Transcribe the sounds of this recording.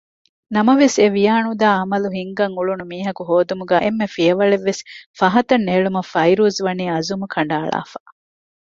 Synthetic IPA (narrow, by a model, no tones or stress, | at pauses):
nɐmɐʋeseʋijaːnud̪aːɐmɐluɦiŋɡɐŋuɭunumiːɦɐkuɦoːd̪umuɡæːʔemːefijɐʋɐɭeʋːesfɐɦɐt̪ɐnːeːɭumɐfɐjɾuːzʋɐniːɐzumukʰɐɳ̆ɖaːɭa̰ːfa